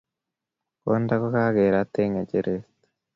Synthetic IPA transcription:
kondakokaɣeɾat̪ːeŋeɟeɾet

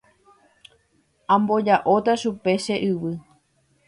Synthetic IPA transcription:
ãmbo̞d͡ʒaʔot̪aʃupe̞ʃe̞ʔɨwɨ

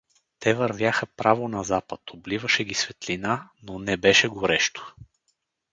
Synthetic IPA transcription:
t̪ɛvɐɾvʲjaxəpɾavonɐzapət̪oblivəʃɛɡʲisvɛt̪linanonɛbɛʃɛɡʊɾɛʃt̪o̥

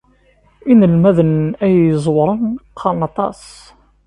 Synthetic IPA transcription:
inəlmæðənæjəzˤwɾˤənqʰːɑnɑt̪ˤɑ̰s

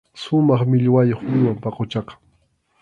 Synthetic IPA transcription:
ʃʊmɑχmɪʎwajoχmɪwampɑqot͡ʃɑqɑ̥

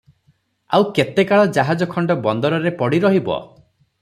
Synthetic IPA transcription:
awket̪ekaɭɔd͡ʒaɦad͡ʒɔkʰɔɳɖɔbɔnd̪ɔɾɔɾepɔɽiɾɔɦibɔ̰

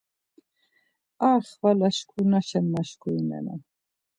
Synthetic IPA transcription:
aːχvalaʃkʰunaʃɛnːaʃkʰʼuinɛ̰na̰

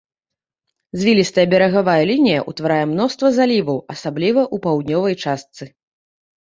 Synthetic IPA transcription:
zʲvʲilʲist̪ɐjɐbʲɛɾɐɣavajɐlʲinʲijɐ̰ʔṵt̪vaɾajɛmn̪ɔst̪vɐzalʲivɐwɐsablʲivɐʔupawd̪̚nʲɔvɐjt͡ʂast̪sɨ

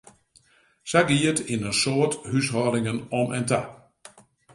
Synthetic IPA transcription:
saɡiətinəsoːəthyshɔːdɪŋənɔmʔɛ̰nta

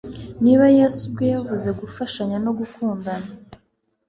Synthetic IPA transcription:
niːβajeːsubɡo̞javuze̞ɡufaʃaɲano̞ɡukuːndana

